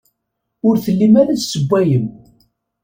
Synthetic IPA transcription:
ʊɾθəlːimæɾæt͡ssəbʷːæjəm

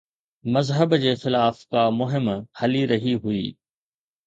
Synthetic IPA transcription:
mɐzɦəbd͡ʑeːxɪlaːfkamʊɦɪmhɐliɾɐɦiɦuiː

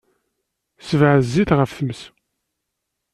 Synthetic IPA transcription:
səvʕzːiθʁəfθəməs

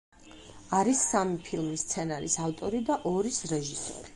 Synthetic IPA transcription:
aɾisːamipʰilˠmist̪sʰɛnaɾḭsaft̪ʼɔɾid̪aʔɔɾisɾɛʒisɔ̰ɾi

